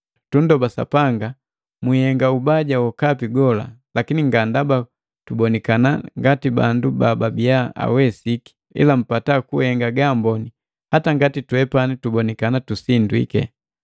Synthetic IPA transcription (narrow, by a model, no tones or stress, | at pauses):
tundɔbasa̰paŋɡa | mwihɛŋɡaubaɟawɔkapiɡɔla̰lakiniŋɡandaba | tubɔnɛkana̰ŋɡatiba̰ndubababiaa̰wɛsiki̥ | ḭlam̩patakuhɛŋɡaɡambɔni | hataŋɡatitwɛpanitubɔnɛkanatusindwḭkɛ̰